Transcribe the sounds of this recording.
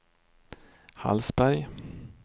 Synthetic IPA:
ha̰lsbæɾj

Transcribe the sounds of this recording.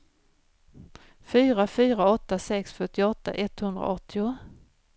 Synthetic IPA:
fyːɾafyːɾaɔt̪ːasɛksfœʈːɪɔt̪ːa̰ʔɛt̪hɵnd̪ɾa̰ʔɔt̪ʰːɪʊ

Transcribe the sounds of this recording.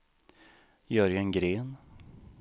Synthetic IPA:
jœɾjaŋɡɾeːn

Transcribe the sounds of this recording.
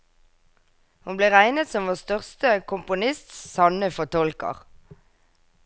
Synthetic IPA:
hʊnbleːʁæɪnət̪sɔmʋoːst̪œʁst̪əkʰʊmpʊnɪst̪sɑnəfɔt̪ʰɔlkə̰ʁ

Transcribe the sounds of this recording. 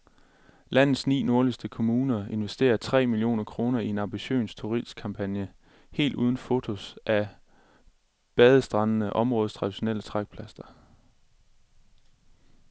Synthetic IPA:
læn̰ð̩ˠsnḭːno̝ɐlisd̥əkʰo̝muːnɐe̝nʋesd̥e̝̰ːɐt͡sʰʁɛ̰ːmilio̝̰ːnɐkʰʁo̝ːnɐie̝nɑ̈mb̥iɕø̰ːnst͡sʰoʁiskʰɑ̈mpʰænjə | he̝̰ːld̥uːð̞ˠn̩fo̝t͡sʰo̝sʔæ | b̥ɛð̞ˠəsd̥ʁɑ̈nnəʔɒ̽mʁɔ̽ːð̞ˠst͡sʰʁɑ̈d̥iɕo̝nel̰ət͡sʰʁaɡ̥̚pʰlæsd̥ɐ

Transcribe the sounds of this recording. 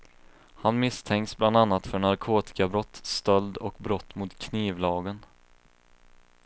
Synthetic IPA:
hanmɪst̪ʰɛŋksbland̪anːat̪fœɳaɾkʰoːt̪ɪ̥kabɾɔt̪ːst̪œld̪ɔkbɾɔt̪ːmʊt̪kʰniːvlɑːɡən

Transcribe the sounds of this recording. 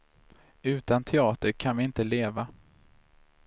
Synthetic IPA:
ʉ̟ːt̪ant̪ʰɛɑːt̪əɾkʰanvɪɪnt̪əleːva

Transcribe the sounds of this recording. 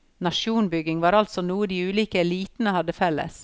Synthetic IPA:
nɑʃuːnbʏɡɪŋʋɑːɾɑlt̪sɔnuːəd̪iːʉːliːkəɛliːt̪n̩əhɑd̪əfɛlːə̰s

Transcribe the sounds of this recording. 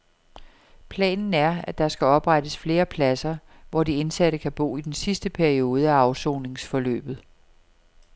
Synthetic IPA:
pʰlɛ̰ːnn̩æɐæd̥ɑ̈sɡ̥æɒ̽b̥ʁaɾəsfle̝ːɐpʰlæsɐ | ʋɒdie̝nsæɾəkʰæb̥o̝̰ːid̥ensisd̥əpʰæɐio̝ːð̞̩ˠəæɑ̈ʊso̝ːne̝ŋsfɒ̽lø̰ːb̥ð̞̩ˠ

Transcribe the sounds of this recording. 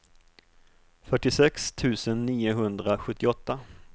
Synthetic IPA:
fœʈːɪsɛkst̪ʰʉ̟ːsənːiːʊɦɵnd̪ɾaɧɵt̪ʰːɪɔt̪ːa

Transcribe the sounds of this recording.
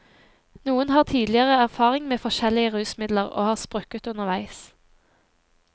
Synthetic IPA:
nuːənhɑːʁt̪ʰiːd̪lɪəʁəæʁfɑːʁɪŋmeːfɔʃɛlɪəʁʉːsmɪd̪ləʁo̰ːhɑːʁspʁʉkət̪ʉnəʁʋæɪs

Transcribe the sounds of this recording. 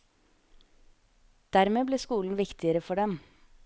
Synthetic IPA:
d̪̥æɾmeːbliːskuːln̩ʋɪkt̪ɪəɾəfɔɖɛm

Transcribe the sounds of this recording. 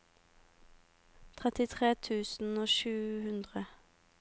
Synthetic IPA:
t̪ʰʁɛt̪ɪt̪ʰʁeːt̪ʰʉːsn̩oːʃʉːhʉnd̪ʁə

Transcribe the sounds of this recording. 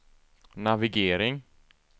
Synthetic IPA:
navɪɡeːɾɪŋ

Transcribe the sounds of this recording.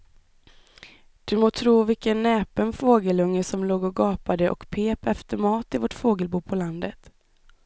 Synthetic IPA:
d̪̥ɵmoːt̪ʰɾuːvɪkənːɛːpənfoːɡəlɵŋːəsɔmloːɡɔɡɑːpad̪əʔɔ̰kpʰeːpɛft̪əɾmɑːt̪ɪvɔʈfoːɡəlbuːpʰɔland̪ət̪

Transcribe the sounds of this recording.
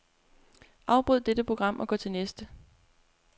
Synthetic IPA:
ʔɑ̈ʊb̥ʁɔð̰ˠd̥ed̥əpʰʁo̝ɡ̥ʁɑ̈m̰ʔɒ̽ɡ̥ɒ̰ːt͡sʰe̝lnesd̥ə

